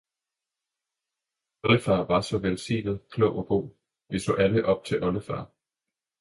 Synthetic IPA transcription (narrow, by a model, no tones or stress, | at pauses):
ɒləfɑ̈ːʋɑ̈sɒ̽ʋelsḭːnð̩ˠkʰlɔʊ̰ɒ̽b̥o̝̰ː | ʋiso̰̽ːʔæləʔɒ̽b̥̚t͡sʰe̝lʔɒ̽ləfɑ̈ː